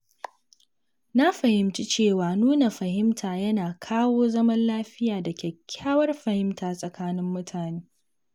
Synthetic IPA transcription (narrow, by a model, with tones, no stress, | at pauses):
na˦ɸɐ˨hɪ˨mt͡ʃi˦t͡ʃeː˦˨waː˨nuː˦na˨ɸɐ˨hɪ˦mtʰaː˨jɐ˦naː˨kʰaː˦woː˦zɐ˦mɐ˦nlaː˦ɸɪ˦jaː˨dɐ˨kʲɛ˨kʲʰːaː˦wɐ˦rɸɐ˨hɪ˦mtʰaː˨sʼɐ˨kaː˦nɪ˦mːʊ˦tʰaː˨neː˦